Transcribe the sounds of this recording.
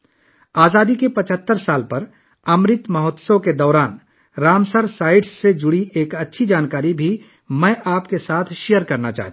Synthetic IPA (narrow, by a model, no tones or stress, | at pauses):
aːzaːd̪ikepɐt͡ʃʰət̪ːəɾsaːlpɐɾ | ɐmɾɪt̪mɐɦɔt̪səʋked̪ɔːɾaːn | ɾaːmsəɾsaːɪɖsːed͡ʒʊɽiʔeːkɐtːʃʰid͡ʒaːnkaːɾibʱi | mɛ̃ːʔaːpkesaːt̪ʰʃijəɾkɐɾnat͡ʃa̰ːɦt̪